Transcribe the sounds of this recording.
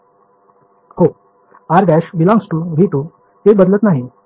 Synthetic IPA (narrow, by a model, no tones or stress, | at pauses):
ho | aɾɡæɕbilãŋsʈuːbʱiʈ̪u | t̪ebəd̪lət̪naɦi